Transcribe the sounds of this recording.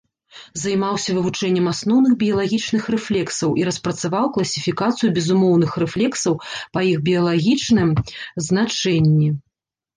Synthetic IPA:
zɐjmawsʲɐvɨvut͡ʂɛnʲːɛmasnɔwnɨɣbʲijɐlˠaɣʲit͡ʂnɨxrɛflʲɛksɐwʔiɾɐspɾɐt̪savawklˠɐsʲifʲikat̪sɨjubʲɛzumɔwn̪ɨxrɛflʲɛksɐwpɐjiɣbʲijɐlˠaɣʲit͡ʂnɨmznat͡ʂɛnʲːi

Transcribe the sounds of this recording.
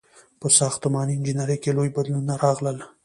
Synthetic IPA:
pəsɑxt̪ʊmɑniɪnd͡ʒinaɾəjkelojbad̪lunaɾɑɣləl

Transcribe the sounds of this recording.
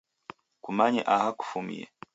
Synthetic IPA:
kumaɲɛʔahaku̥fumḭɛ̰

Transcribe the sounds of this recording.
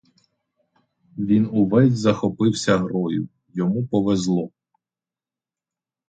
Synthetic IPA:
ʋʲinuʋɛjʲzɐxɔpɪwsʲɐɦɾɔjʊ | jɔmupɔʋezlˠɔ

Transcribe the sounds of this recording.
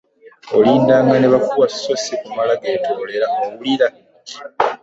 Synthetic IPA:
oliːndaːŋɡaneβakuwassosikumalaɡe̞ːtʰo̞ːle̞ɾaoβuliɾa

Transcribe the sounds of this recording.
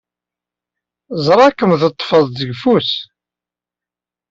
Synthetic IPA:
zˤɾˤɑkːəmðət̪ˤːfəðˤðəɡfus

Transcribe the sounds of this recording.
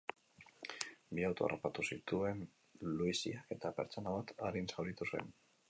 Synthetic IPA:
biawt̪oa̰rapat̪usit̪ue̞n | luisiake̞t̪ape̞̰ɾt͡so̞naβat̪aɾinsawlit̪usue̞̰n

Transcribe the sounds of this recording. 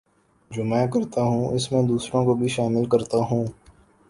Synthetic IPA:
d͡ʒoːmɛ̃ːkɐɾt̪aɦũːʔɪsmẽd̪uːsɾõkobʱiʃaːmɪlkɐɾt̪aɦũː

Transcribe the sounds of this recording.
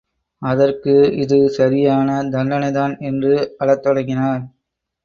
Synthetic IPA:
ɐðɐrkɯɪðɯsɐɾɪjaːnɐd̪ɐnːɐnɐɪðaːnɛndrɯɐɭɐt̪ːɔɽɐŋɡɪnaːɾ

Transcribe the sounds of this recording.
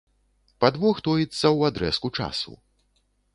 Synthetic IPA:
pad̪vɔxt̪ɔjit̪sːɐwad̪ɾɛ̰skut͡ʂa̰sṵ

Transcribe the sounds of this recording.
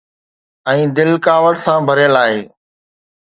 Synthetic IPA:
ɛ̃ːd̪ɪlkaːʋəɽsãːbʱəɾjəlaːɦḛː

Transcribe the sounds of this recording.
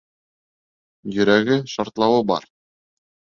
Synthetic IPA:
jɵ̆ɾæɡɘʃɑɾt̪lˠɑwɤbɑ̰ɾ

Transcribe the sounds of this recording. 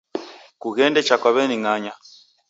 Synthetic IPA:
kuɣɛndɛt͡ʃakwaβɛniŋaɲa

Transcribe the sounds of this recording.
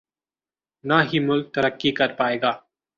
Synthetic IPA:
naːɦiːmʊlk̚t̪əɾəkːikɐɾpaːeːɡaː

